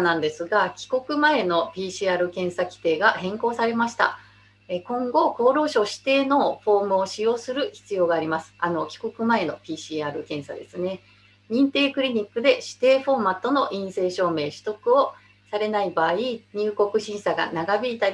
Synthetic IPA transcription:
nãnd̪e̞sɨɡakʲi̥ko̞kɯ̟mae̞no̞pʲiːɕiaːɾɯ̟kẽ̞ɰ̃sakʲi̥t̪e̞ːɡahẽ̞ŋko̞ːsaɾe̞maɕi̥t̪a̰ | ekõ̞ŋɡo̞ko̞ːɾo̞ːɕo̞ːɕi̥t̪e̞ːno̞ɸo̞ːmɯ̟oɕijo̞ːsɨɾɯ̟çi̥t͡sɨjo̞ːɡaːɾʲimasɨ̥ano̞kʲi̥ko̞kɯ̟mae̞no̞̰pʲiːɕiːaːɾɯ̟kẽ̞ɰ̃sa̰d̪e̞sɨne̞ | ɲ̟ĩnt̪e̞ːkɯ̟ɾʲiɲ̟ikːɯ̟d̪e̞ɕi̥t̪e̞ːɸo̞ːmat̪ːo̞no̞ʔĩɰ̃se̞ːɕo̞ːme̞ːɕɨ̥t̪o̞kɯ̟o̞ | saɾe̞naibaːiɲ̟ɨːko̞kɯ̟ɕĩɰ̃saɡa̰naɡabʲiit̪a

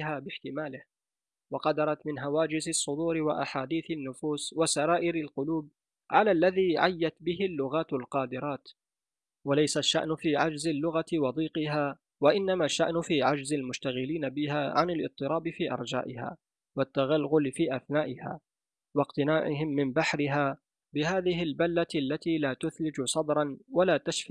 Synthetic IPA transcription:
haːbɪħt̪ɪmaːlɪh | wɑqɑd̪ɑɾˤɑt̪mɪnɦawaːd͡ʒɪzɪsˤːʊd̪uːɾɪwaʔa̰ħaːd̪iːθanːʊfuːswasaɾaːʔɪɾɪlqʊluːb̚ | ʕalaːlːaðiːʕajːat̪bɪhɪlːʊɣaːt̪alqɑːd̪ɪɾˤɑːt̪ | walajsaʃːa̰ʔnfiːʕad͡ʒzalːʊɣat̪wɑd̪ˤiːqɪɦaː | waʔɪnːamaʃːa̰ʔnʊfiːʕad͡ʒzalmʊʃt̪aɣɪliːnabɪhaːʕa̰nɪlʔɨ̰t̪ˤːɨɾˤɑːbɪfiːʔɑ̰ɾˤd͡ʒa̰ːʔɪha̰ː | wat̪ːaɣalɣʊlfiːʔaθnaːʔɪha̰ː | wɑqt̪ɪnaːʕɪɦɪmːɪmbaħɾɪɦaː | bɪhaːðɪɦɪlbalːalːat̪iːlaːt̪ʊθlɪd͡ʒsˤɑd̪ˤɾˤɑnwalaːt̪aʃfiː

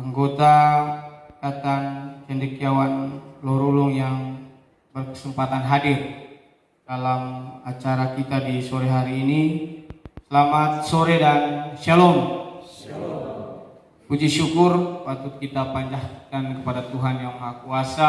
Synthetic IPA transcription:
aŋɡot̪a | kat̪aŋt͡ʃɛndɛkiawanlɔɾuluŋjaŋ | bərkə̥səmpat̪anɦadir | d̥alamat͡ʃaɾakit̪adisoɾɛɦaɾiːni | səlamat̪̚soɾɛdansɛlɔm | pud͡ʒiʃukʊrpat̪ʊt̪̚kit̪apaɲd͡ʒahkankəpadat̪uɦanjaŋmaɦakuasa

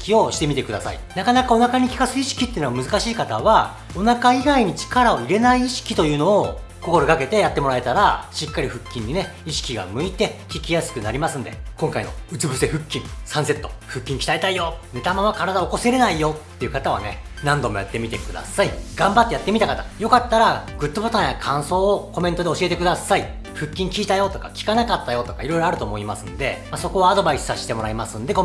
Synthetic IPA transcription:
kʲio̞ɕi̥t̪e̞mʲit̪e̞kɯ̟d̪asa̰ḭnakanakao̞nakaɲ̟ikʲi̥kasɨiɕi̥kʲi̥t̪ːeiɯ̟noamɯ̟zɨkaɕiːkat̪aβa | o̞nakaiɡaiɲ̟it͡ɕi̥kaɾao̞iɾe̞naiːɕi̥kʲit̪o̞jɯ̟ːno̞ː | ko̞ko̞ɾo̞ɡake̞t̪e̞jat̪ːe̞mo̞ɾae̞t̪aɾaɕikːaɾʲiɸɯ̟kʲːĩɲ̟ːine̞iɕi̥kʲiɡa̰mɯ̟it̪e̞kʲikʲijasɨ̥kɯ̟naɾʲimasɨ̃nd̪e̞̰kõ̞ŋkaino̞̰ɯ̟t͡sɨbɯ̟se̞ɸɯ̟kʲːĩŋsãɰ̃se̞t̪ːo̞̰ɸɯ̟kʲːĩŋkʲi̥ait̪aijo̞ne̞t̪amãmakaɾad̪aoko̞se̞ɾe̞naijo̞t̪ːe̞iɯ̟kat̪aβ̞a̰ne̞nãnd̪o̞mo̞jat̪ːe̞mʲit̪e̞kɯ̟d̪a̰saiɡ̥ãmbat̪ːejat̪ːe̞mʲit̪akat̪ajo̞kat̪ːaɾaɡ̥ɯ̟t̪ːo̞bo̞t̪ãɰ̃jakʰãɰ̃so̞ːoko̞mẽ̞nt̪o̞d̪e̞o̞ɕie̞t̪e̞kɯ̟d̪asai | ɸɯ̟kʲːĩŋkʲiːt̪ajo̞t̪o̞ka̰kʲi̥kanakat̪ːajo̞t̪o̞kaiɾo̞iɾo̞aɾɯ̟t̪oːmo̞imasɨ̃nd̪e̞̰maso̞ko̞βaːd̪o̞baisɨ̥saɕi̥t̪e̞mo̞ɾaimasɨ̃nd̪e̞ɡo

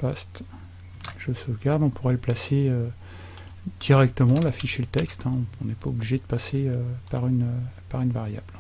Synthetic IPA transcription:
past̪ | ʒ̥əsuɡaʁd̪ɔ̃puʁɛləplaseø | d̪̥iʁɛk̚t̪əmɑ̃lafiʃelət̪ɛkst̪ɛ̃ɔ̃ɔ̃nɛpaobliʒed̪əpaseøpaʁynøpaʁynvaʁja̰bl

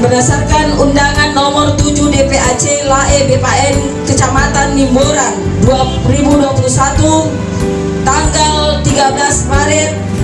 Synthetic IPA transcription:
bənasarkanundaŋanːɔmɔrt̪ud͡ʒudepeat͡ʃelaebepaɛn | kət͡ʃamat̪anːimboɾan | dua | ribuduapulusat̪u | t̪aŋɡalt̪iɡabəlasmaɾɪt̚

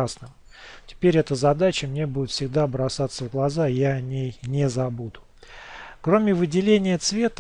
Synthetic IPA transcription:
asnəm | tʲɪ̥pʲeɾʲɛt̪əzɐd̪at͡ɕəmnʲe̞budʲɪt̪fʲsʲɪɡd̪abɾɐsat̪sːəvɡlˠɐzajaɐnʲejnʲɪzɐbud̪ʊ | kɾo̞mʲɪvɨdʲɪlʲenʲɪjət̪svʲe̞t̪ə

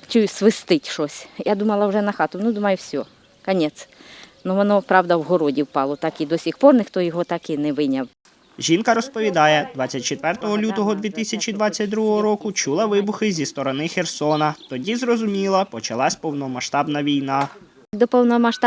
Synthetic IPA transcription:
t͡ʃujʊsʋɪst̪ɪtʲʃɔsʲjad̪umɐlˠɐwʒɛnɐxɑt̪ʊnud̪umɐjʊwsʲɔ | kɐnʲɛt̪snuʋɔnɔpɾɑwd̪ɐwɦɔɾɔdʲiwpɑlˠɔt̪ɑkid̪ɔsʲixpɔrnɪxt̪ɔjɔɦɔt̪ɑkɪnɛʋɪnʲɐw | ʒʲinkɐɾɔspɔʋʲid̪ɑjɛd̪ʋɑt͡sʲːɐt̚ʲt͡ʃet̪ʋɛrt̪ɔɦɔlʲut̪ɔɦɔd̪ʋʲit̪ɪsʲɐt͡ʃʲid̪ʋɑt͡sʲːɐt̚ʲd̪ɾuɦɔɦɔɾɔkʊt͡ʃulˠɐʋɪbʊxɪzʲist̪ɔɾɔnɪxersɔnɐt̪ɔdʲizrɔzʊmʲilˠɐpɔt͡ʃɐlˠɑsʲpɔwnɔmɐʃt̪ɑbnɐʋʲijnɑ | d̪ɔpɔwnɔmɐʃt̪

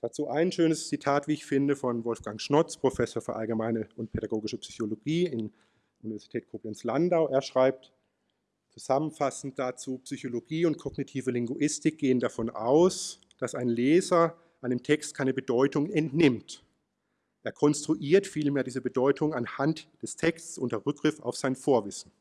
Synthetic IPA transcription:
d̥at͡suːʔaɪnʃøːnəst͡sitʰaːtviːɪçfɪndəfɔnvɔlfɡ̥aŋʃnɔt͡spʁ̥ofɛsoːɐfyːɐʔalɡəmaɪnəʔʊnt̚pʰeɾaɡoːɡɪʃəpsyçoloɡiːɪn | ʔunivɛɐz̥itʰɛːt̚kʰoːplɛnslandaʊʔeːɐʃʁ̥aɪp̚t | t͡suzamənfasn̩t̚d̥at͡suːpsyçoloɡiːʊnt̚kʰɔɡnitʰiːvəlɪŋɡuʔɪstɪk̚ɡ̥eːəndafɔnʔa̰ʊs | d̥asaɪnlɛːzɐ | ʔaɪnəmtʰɛkstkʰaɪnəbədɔʏtʊŋɛntnɪmt | ʔeːɐkʰɔnstʁ̥uʔiːɐtfiːlmeːɐdiːzəbədɔʏtʰʊŋanhantd̥ɛstʰɛkstsʔʊntɐʁʏk̚ɡʁɪfa̰ʊfz̥aɪnfoːɐvɪsn̩

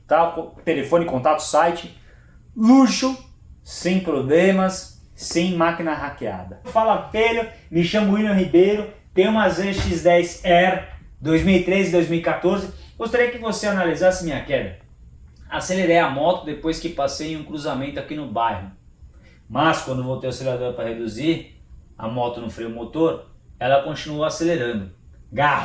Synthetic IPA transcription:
t̪akot̪elefõnɪkõt̪at̪ʊ̥sajt͡ʃɪ | luʃʊsẽj̃pɾoblẽmɐsː | ẽj̃makinɐɦakea̰d̪ɐfalɐfeʎʊmɪʃɐ̃mʊilɐ̃hibejɾʊ | t̪ẽj̃ũmɐzẽʃizd̪ɛjsɛɾ | d̪ojzmiwit̪ɾezɪd̪ojzmiwikat̪oɾzɪɡost̪aɾiɐkɪvoseanalizasɪmĩɲɐkɛd̪ɐ | aseleɾejɐmɔt̪ʊd̪epojskɪpasejẽj̃ũkɾuzamẽnt̪ʊakinʊbajhʊ | mɐskwɐ̃nd̪ʊvowt̪ewaseleɾad̪oɾpɾɐhed̪uziɾɐ̰mɔt̪ʊnʊ̃fɾiʊmot̪oɾɛlɐkõnt͡ʃinuowaseleɾɐ̃nd̪ʊɡa

